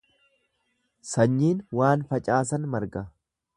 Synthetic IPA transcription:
sɐɲːiːnwaːnfɐt͡ʃʼaːsɐnmɐɾɡɐ

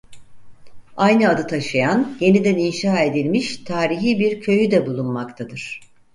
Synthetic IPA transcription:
ajnɯad̪ɯt̪ʰaʃɯjanje̞nid̪æninʃaːe̞d̪ilʲmiʃt̪ʰaːɾiɦiːbiɾcʰø̞jyd̪ɛbulˠunmakt̪ʰad̪ɯɾ̥

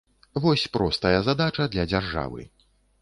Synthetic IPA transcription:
vɔsʲpɾɔst̪ɐjɐzad̪at͡ʂɐd̪lʲɐd͡zʲarʐa̰vɨ̰

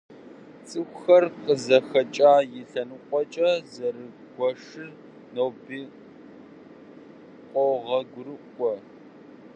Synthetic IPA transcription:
t͡sʼɨxʷxɐrqəzɐxɐt͡ʃʼaːjɪɬɐnɨqʷʼɔt͡ʃʼɐzɐrɨ | ɡʷɔʂɨr | nowbiː | qʷʼɔʁɐɡʷʊɾɨkʷʼɔ

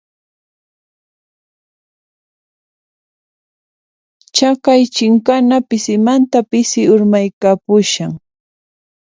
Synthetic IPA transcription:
t͡ʃakajt͡ʃɪŋkanapɪsɪmant̪apɪsɪʊɾmajkapʊʃaŋ

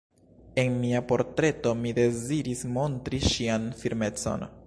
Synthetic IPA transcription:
e̞nmiapo̞ɾtɾe̞to̞mide̞ziɾismo̞ntɾiʃianfiɾme̞t͡so̞̰n

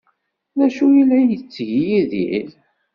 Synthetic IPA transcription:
ðæʃujilːæjət͡sːʝijiðḭɾ

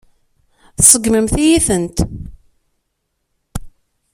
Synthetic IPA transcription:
θsˤəɡməmθijiθənt̪

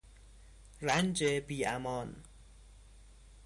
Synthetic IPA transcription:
rand͡ʒebia̰mɔn

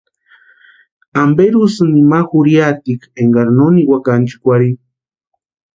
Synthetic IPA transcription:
ambeɾusɨnimaxuɾjat̪ikeŋɡaɾnoniwakant͡ʃi̥kʷaɾi

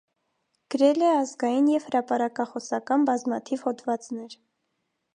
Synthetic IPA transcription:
ɡ̥əɾɛlɛɑzɡɑjinjɛv̥həɾɑpɑɾɑkɑχɔsɑkɑnbɑzmɑt̪ʰivhɔt̪ʰvɑt͡snɛɾ

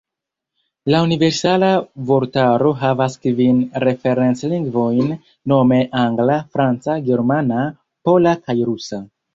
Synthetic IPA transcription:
launive̞ɾsalavo̞ɾtaɾoɦavaskvinɾe̞fe̞ɾe̞nsliŋɡvo̞jnː | o̞me̞ʔaŋɡlafɾant͡saɡe̞ɾmana | po̞lakʰajɾusa

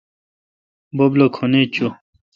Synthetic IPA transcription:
boblokʰonet͡ɕo

